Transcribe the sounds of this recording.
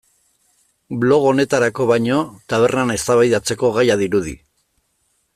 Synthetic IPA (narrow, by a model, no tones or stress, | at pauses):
blo̞ɣ̞o̞ne̞t̪aɾako̞βajɲo̞t̪aβ̞e̞rnane̞st̪aβajðat͡se̞ko̞ɣajaðiɾuð̞ḭ